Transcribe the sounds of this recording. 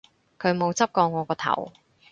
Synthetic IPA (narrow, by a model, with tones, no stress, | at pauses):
kʰɵ˨˧ɥmo˨˧wt͡sɐ˥p̚kɔː˧ŋːɔː˨˧kɔː˧t̪ʰɐ̰˨˩w